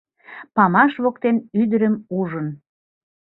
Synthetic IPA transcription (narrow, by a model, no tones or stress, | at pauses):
pɑmɑʃβok̚t̪enyd̪əɾəmuʒən